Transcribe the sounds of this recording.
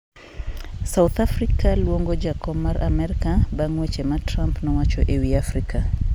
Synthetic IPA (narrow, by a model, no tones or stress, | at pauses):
saut̪afrikalwoŋɡod͡ʒakɔbmːaɾʔa̰mɛɾikabaŋwet͡ʃematrampnɔwat͡ʃɔʔewiafrika